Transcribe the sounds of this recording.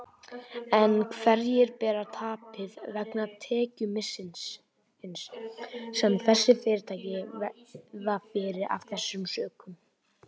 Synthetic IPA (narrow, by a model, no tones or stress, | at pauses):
ɛnkʰvɛɾjɪɾpɛːɾat̪ʰaːpɪðvɛknat̪ʰɛːcʏmɪsɪns | ɪns | ɛnθɛsːɪfɪːɾɪɾt̪ʰaːjcɪ | ðafɪːɾɪɾʔa̰v̥θɛsːʏmsœːkʏm